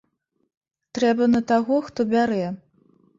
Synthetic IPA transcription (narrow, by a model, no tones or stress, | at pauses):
t̪ɾɛbɐnɐt̪aɣɔxt̪ɔbʲaɾɛ